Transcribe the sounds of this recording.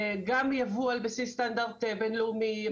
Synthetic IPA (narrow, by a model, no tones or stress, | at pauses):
ɡamjavualbesistandaʁt̪ebenluumi